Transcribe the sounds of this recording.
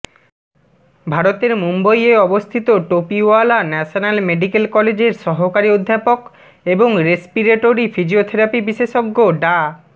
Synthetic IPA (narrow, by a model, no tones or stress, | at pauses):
bʱaɾot̪eɾmumbojeɔbost̪ʰit̪oʈopioalanɛʃonalmeɖikelkɔled͡ʑeɾʃɔɦokaɾiod̪ʱːapok | eboŋɾespiɾeʈoɾifʰid͡ʑiot̪ʰeɾapibiʃeʃoɡːoɖa